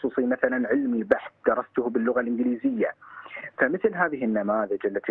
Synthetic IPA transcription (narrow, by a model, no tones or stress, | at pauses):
sˤuːsˤimaθalanʕɪlmibaħθd̪ɑɾˤɑst̪ʊhbɪlːʊɣalʔɪnɡɪliːzɪjːafamɪθlɦaːðɪɦɪnːamaːðɪd͡ʒʔalːat̪i